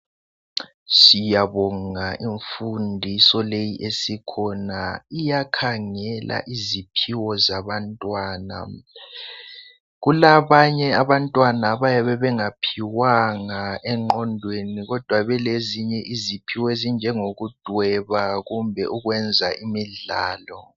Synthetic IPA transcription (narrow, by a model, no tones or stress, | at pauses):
sijaβɔŋaʔiɱfundʱisɔlejiʔesikʰɔnaijakʰaŋɛlʔa̰ʔizipʰiwɔzaβantʼwaːna̰ | ɣulaβaɲɛaβantʼwanaβajaβɛβɛŋapʰiwaŋaʔɛŋ͡ǃɔndʱweniɣɔd̥ʱwaβɛleziɲɛʔizipʰiwezind͡ʒʱɛŋoɣud̥ʱwɛβaɣumbʱɛʔuɣwɛnd͡zʱaʔimiɮa̰ːlɔ